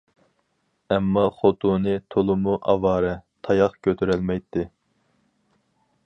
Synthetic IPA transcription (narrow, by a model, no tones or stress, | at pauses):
ɛmːɑχot̪ʰunɨt̪ʰolˠʊmuʔɑ̰vɑːɾɛt̪ʰɑjɑqkʲʰøt̪ʰyɾɛlmɛjt̪ʰːɪ